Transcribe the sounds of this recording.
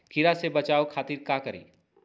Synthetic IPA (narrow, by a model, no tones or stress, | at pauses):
kʰɪɾasebɐt͡ʃaːokʰaːt̪iːɾkaːkɐɾḭː